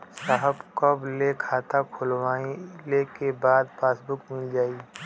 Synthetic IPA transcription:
saːɦəbkəblekʰaːt̪akʰʊlwaːilekebaːd̪paːsbʊkmɪld͡ʒaːiː

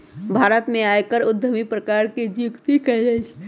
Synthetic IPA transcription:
bʱaːɾət̪mẽaːjkəɾʊd̪ʱːəmipɾəkaːɾked͡ʒikt̪ikəəi

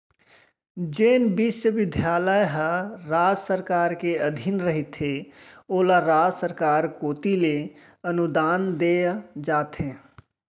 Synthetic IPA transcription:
d͡ʒeːnbɪʃjəʋɪd̪ʱjaːləjɦəɾaːd͡ʒsəɾkaːɾkeəd̪ʱɪnɾəɦit̪ɦeoːlaɾaːd͡ʒsəɾkaːɾkoːt̪ile | ənud̪aːnd̪ed͡ʒaːt̪ẽː

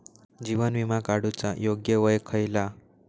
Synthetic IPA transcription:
d͡ʑiʋənʋimakaɽut͡sajoɡjəʋəjkʰəjla

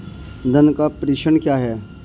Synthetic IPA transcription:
d̪ənkapɾiːʃənkjaːɦɛː

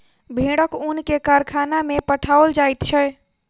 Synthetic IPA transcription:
bʱeɽəkunkekaɾkʰanamepəʈʰaəld͡ʒajt̪t͡ʃʰɛ

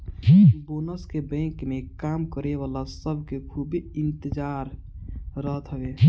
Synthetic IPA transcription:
boːnəskebɛ̃ːkmekaːmkəɾeʋaːlasəbʱkekʰubiɪnt̪əd͡ʒaɾː | əɦt̪ɦəwe

